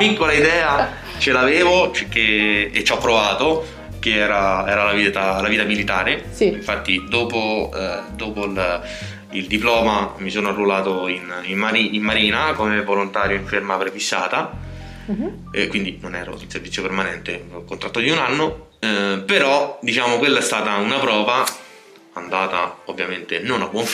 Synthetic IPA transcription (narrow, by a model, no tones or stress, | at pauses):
pikːolaid̪ɛːa | t͡ʃelaveːvot͡ʃek̟ːeḛt͡ʃːɔpːɾovaːt̪o | k̟eɛːɾaɛːɾalaviːt̪alaviːt̪amilit̪aːɾe | iɱfat̪ːid̪oːpod̪oːpol | ild̪iplɔːmamisoːnoarːulaːt̪oinimːaɾiimːaɾiːnakomevolont̪aːɾjoiɱfermapɾefisːaːt̪a | kwind̪inonɛ̰ːɾo̰ilserɾvit̪sːjopermanɛnt̪ekont̪ɾat̪ːod̪iunanːo | peɾɔd̪it͡ʃaːmokwelːaɛst̪aːt̪aunapɾɔːva | and̪aːt̪aovːjament̪enonabːwɔɱf